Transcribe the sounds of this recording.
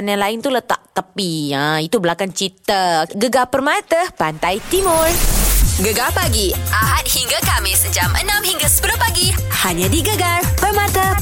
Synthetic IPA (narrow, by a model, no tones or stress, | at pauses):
naŋlaɪnt̪ulət̪a̰ʔt̪əpiəit̪ubəlakant͡ʃit̪əɡəɡapərmat̪əpant̪ajt̪imʊrɡəɡapaɡiʔaɦat̪̚hiŋɡakamɪsəd͡ʒamʔə̰nãmhiŋɡasə̥pəɾʊpaɡihaɲãdiɡəɡarpərmãt̪ə